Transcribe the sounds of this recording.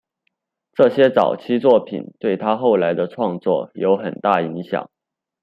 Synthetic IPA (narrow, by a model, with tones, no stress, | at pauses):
ʈ͡ʂɤ˥˩ɕjɛ˥t͡sɑ˨˩ʊt͡ɕʰi˥t͡swɔ˥˩pʰḭ˨˩˦nt̪we˥˩ɪt̪ʰa˥xo˥˩ʊla˧˥ɪd̪ə˧ʈ͡ʂʰwɑ˥˧ŋt͡swɔ̰˥˩jo˧˥ʊxə˨˩nt̪a˥˩i˧˥ŋɕjɑ̰˨˩˦ŋ